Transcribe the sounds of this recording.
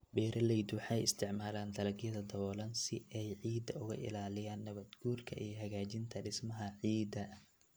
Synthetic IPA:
bɛːɾʔɐlɛjd̪wɑħɑjɪ̰st̪ʰɪʕmaːlaːnd̪ʰɐlɐɡjɐðɐd̪ɐβɔːlɐnsɪɛjʕiːd̪ɐʊɣɐ̰ʔɪ̰laːlɪjaːnːɐβɐd̪ɡuːrkʰɐʔijɦɐɣaːt͡ʃɪnt̪ʰɐɖɪsmɐɦɐʕiːd̪ɐ

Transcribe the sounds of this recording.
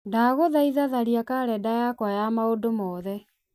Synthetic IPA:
daɣoðaiðaðaɾiakaɾɛdajakwajamaodomɔðɛ

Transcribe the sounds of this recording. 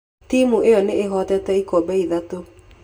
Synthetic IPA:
timuejɔneeɦɔtɛtɛikɔbɛiðato

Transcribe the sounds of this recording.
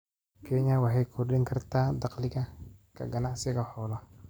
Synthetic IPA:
kʰɛɲɐwɑħɑjkʰʊrdɪŋkʰɐrt̪ʰaːd̪ɑqlɪɣɐkʰɐ̰ɡɐnaʕsɪɣɐħɔːlɐ

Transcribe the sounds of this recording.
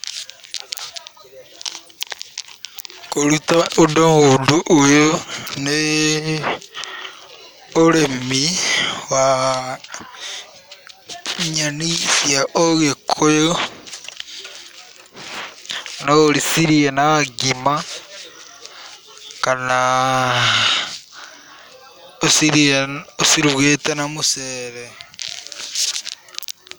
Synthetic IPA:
kolutaodoŋoduʔːjone | oɾemiwa | ɲanisjaʔoɣekʰojo | noɾisiɾienaɡima | kana | osiɾosiɾiβwetenamuseɾe

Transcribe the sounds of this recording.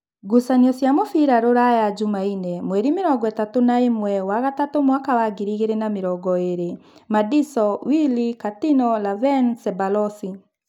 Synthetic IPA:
ɡusaniɔsjamofiɾaɾoɾajad͡ʒumainɛmwɛɾimeɾɔɡɔɛtatonaemwɛwaɣatatomwakawaɡiɾiɣeɾenameɾɔɡɔeɾemadisɔwilikatinɔlavɛnsɛbalɔsi

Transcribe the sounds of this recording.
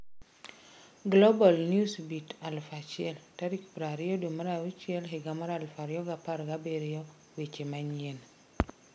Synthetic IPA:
ɡlobalniusbitalfat͡ʃieltaɾikpɾaɾijodomaɾawit͡ʃiɛlɦeɡamaɾalfaɾijɔɡapaɾɡabeɾijɔ | wet͡ʃemaɲien

